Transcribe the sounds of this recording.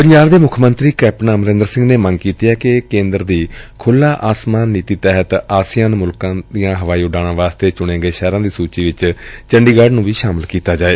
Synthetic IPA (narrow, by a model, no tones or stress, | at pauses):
pəɲd͡ʒaːɾd̪eːmʊkʰmənt̪ɾiːkɛːpnaːməɾɪ̃nd̪əɾsɪ̃ŋɡneːməŋɡkiːt̪ijɛːkekẽːnd̪əɾd̪iːkʰʊlːãːʔaːsmaːnːiːt̪iːt̪ɛːɦət̪aːsɪjãːnmʊlkãːd̪ijãːɦəʋaːiːʊɖaːɽ̃ãːʋaːst̪eːt͡ʃʊɽ̃eːɡeːʃɛːɾãːd̪iːsuːt͡ʃiːʋɪt͡ʃt͡ʃəɳɖiːɡaːɖnũːʋiːʃaːmɪlkiːt̪aːd͡ʒaːeː